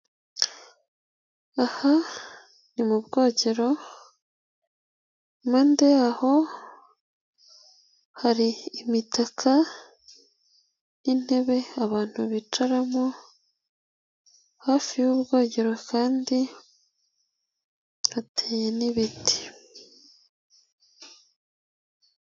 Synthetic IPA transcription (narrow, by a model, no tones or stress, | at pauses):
aha | nimubɡo̞ːɟe̞ɾo̞ | mandeaho̞ | haɾiːmitakʰa | nin̥he̞βe̞aβaːn̥huβit͡ʃaɾamo | hafijuβɡo̞ːɟe̞ɾo̞kaːndi | hatʰeːje̞niβiti̥